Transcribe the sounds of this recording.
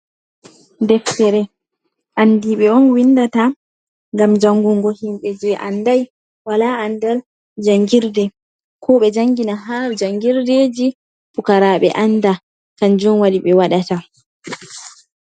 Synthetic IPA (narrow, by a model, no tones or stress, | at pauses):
dɛftɛɾɛ | ʔandiɓɛɔnwindata | ŋɡamd͡ʒaŋɡuŋɡɔhimɓɛd͡ʒɛʔandaj | walaandal | d͡ʒaŋɡiɾdɛ | kʰɔɓɛd͡ʒaŋɡinaɦad͡ʒaŋɡiɾded͡ʒi | pukaɾaɓɛ̰ʔanda | kand͡ʒɔnwaɗiɓɛwaɗata